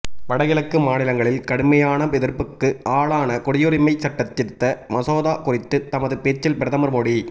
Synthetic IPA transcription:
ʋɐɽɐɣɪlɐkːɯmaːnɪlɐŋɡɐɭɪlkɐɽɯmɐjaːnɐɛðɪɾpɯkːɯʔaːɭaːnɐkɔɽɪjɔɾɪmɐɪsɐʈːɐt̪ːɪt̪ːɐmɐsoːðaːkʊrɪt̪ːɯt̪ɐmɐðɯpeːt͡ʃːɪlpɪɾɐðɐmɐɾmoɽi

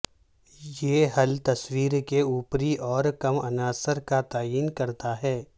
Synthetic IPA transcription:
jeːɦɐlt̪ɐswiːɾkeuːpɾiʔɔːɾkɐmɐnaːsəɾkat̪aːjiːnkɐɾt̪aɦɛː

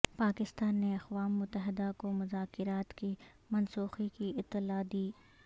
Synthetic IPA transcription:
paːkɪst̪aːnːeɐxʋaːmːʊt̪ːəɦɪd̪akomʊzaːkɪɾaːt̪ki | mɐnsuːxikiɪt̪ːɪlad̪iː

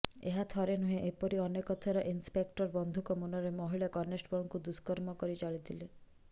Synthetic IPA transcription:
eɦat̪ʰɔɾenuɦẽʔepɔɾiɔnekɔt̪ʰaɾɔʔinspekʈɔɾbɔnd̪ʱukɔmunɔɾemɔɦiɭakɔnesʈbɔŋkud̪uskɔɾmɔkɔɾit͡ʃaɭit̪ʰile

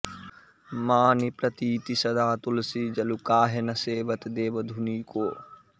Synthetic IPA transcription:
maːnipɾɐt̪iːt̪isɐd̪aːt̪ʊlsid͡ʒɐlukaːɦenɐseːbɐt̪d̪eːbɐd̪ʱuniːkoː

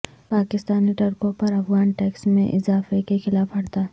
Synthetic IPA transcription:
paːkɪst̪aːniʈɐɾkõpɐɾɐfɣaːnʈɛːksmḛ̃ʔɪzaːfekexɪlaːfɦɐɽt̪aː

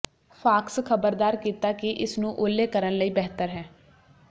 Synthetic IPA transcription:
pʰaːkskʰəbəɾd̪aːɾkiːt̪akiʔɪsnũːʔoːlːeːkəɾənləiːbɛɦt̪əɾɦɛː

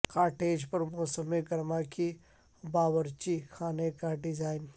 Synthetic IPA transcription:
kaːɾʈeːd͡ʒpɐɾmɔːsəmeɡɐɾmaːki | baːwəɾt͡ʃikʰaːnekaɖɪzaːɪn

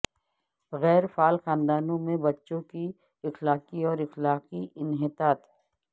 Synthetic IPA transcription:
ɣɛːɾfaːlxãːnd̪aːnõmẽbɐtːʃõki | ɪxlaːqiɔːɾɪxlaːqiɪnɦɪt̪aːt̪

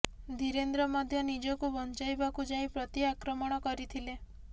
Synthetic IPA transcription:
d̪ʱiɾend̪ɾɔmɔd̪ʱjɔnid͡ʒɔkubɔnt͡ʃajbakud͡ʒaĩpɾɔt̪iakɾɔmɔɽ̃ɔkɔɾit̪ʰile

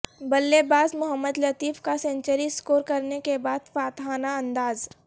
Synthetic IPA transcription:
bɐlːebaːzmʊɦəmːəd̪lɐt̪iːfkasẽɲt͡ʃəɾiskoːɾkɐɾnekebaːd̪faːt̪ɦaːnaɐ̃nd̪aːz

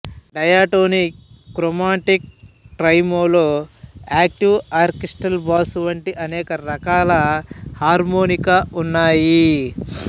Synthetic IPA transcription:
ɖɐjaːʈoːnikːɾomaːʈik̚ʈɾɐjmoːloːaːk̚ʈiwaːɾkisʈɐlbaːsʋɐɳʈiʔɐnɛːkɐɾɐkaːlɐhaːɾmoːnikaunːaːji

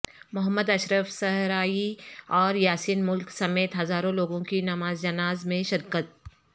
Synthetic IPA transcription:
mʊɦəmːəd̪ɐʃɾəfsɐɦɾaːiɔːɾjaːsiːnmʊlksɐmeːt̪ɦɐzaːɾõloːɡõkinɐmaːzd͡ʒɐnaːzmẽʃɪɾkət̪̚

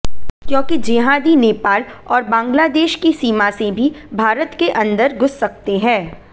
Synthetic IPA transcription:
kjõːkid͡ʒɪɦaːd̪ineːpaːlɔːɾbãːŋɡlaːd̪eːʃkisiːmasebʱibʱaːɾət̪keʔɐ̃nd̪əɾɡʱʊsːɐk̚t̪eɦɛ̃ː

